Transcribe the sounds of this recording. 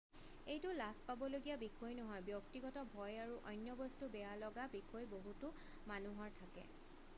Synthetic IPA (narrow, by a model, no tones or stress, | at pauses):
ejtʊlaspabɔloɡijabikʰɔjnɔɦɔjbjɔktiɡɔtɔbʱɔjaɹuʔɔjnjɔbɔstubɛjalɔɡabikʰojboɦutʊ | manuɦɔɹtʰakɛ̰